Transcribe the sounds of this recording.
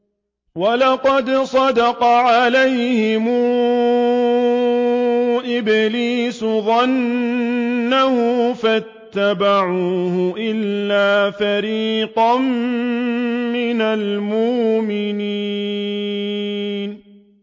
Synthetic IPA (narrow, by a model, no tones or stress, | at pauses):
walɑqɑd̪sˤɑd̪ɑqɑʕalajhɪmuː | ʔɪbɪliːsʊðˤɑnː | ahʊfat̪ːabaʕuːhʊʔɪlːaːfaɾiːqɑm | mɪnalmʊʔmɪniː | n